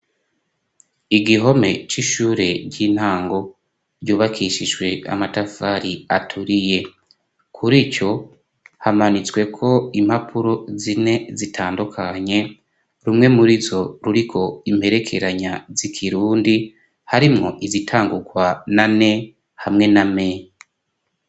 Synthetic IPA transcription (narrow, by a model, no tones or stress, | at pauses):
iɡiɦo̞me̞t͡ʃiʃuːɾe̞ɾɟiːn̥haːŋɡo̞ | ɾɟuːβakʰiʃiʒɡwe̞a̰matafaɾiatʰuɾije̞ | kʰuɾit͡ʃo̞ | hamanit͡swe̞kʰo̞imhapʰuɾo̞zine̞zitʰaːndukʰaɲe̞ | ɾumŋe̞muɾizo̞ɾuɾikʰo̞im̥he̞ɾe̞kʰe̞ɾaɲazikʰiɾuːndi | haɾimŋo̞̰ʔizitʰaːŋɡukwanane̞ | hamŋe̞name